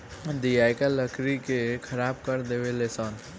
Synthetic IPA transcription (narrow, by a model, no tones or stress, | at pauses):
d̪ijaːjkaləkʰɾikekʰəɾaːb̚kəɾd̪eʋelesaːn